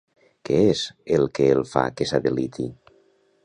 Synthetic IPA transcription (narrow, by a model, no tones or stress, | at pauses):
keezelˠkeelˠfa̰kesaðelit̪i